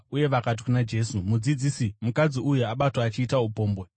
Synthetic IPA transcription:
uje̞ʋakat̬i̥kunad͡ʒe̞ːsumud͡zid͡zisimukad͡ziujuaɓatwaːt͡ʃiːtaupo̞ːmbe

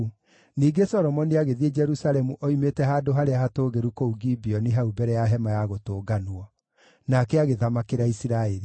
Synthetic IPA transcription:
niːɡesɔɾɔmɔniaɣeðied͡ʒɛɾusalɛmuʔoimetɛɦadoɦaɾeaɦatoːɣeɾukouɡibiɔniɦaubɛɾɛjaɦɛmajaɣotoːɡanwɔ | nakɛaɣeðamakeɾaisiɾaeɾi

